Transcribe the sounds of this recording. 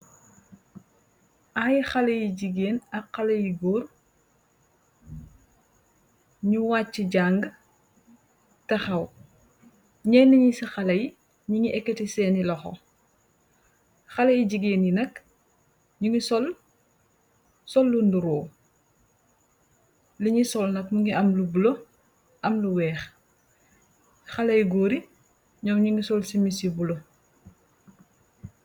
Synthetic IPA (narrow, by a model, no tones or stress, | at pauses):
ʔaːjixɐlɐjiɟiɡeːnɐqːɐlɐjiɡoːr | ɲuwaːt͡ʃːiɟaŋɡ | tɐxɐw | ɲɛːnɐɲisɐxɐlɐj | ɲuŋiʔɛkːɐtisɛːnilɐxɔ̰ | xɐlɐjiɟiɡeːninɐk | ɲuŋisɔl | sɔlːunduɾɔː | liɲisɔlnɐkmuŋɡiʔɐmlubulo | ʔɐmluwɛːx | xɐlɐjɡoːɾi | ɲɔmɲuŋisɔlsimisibulo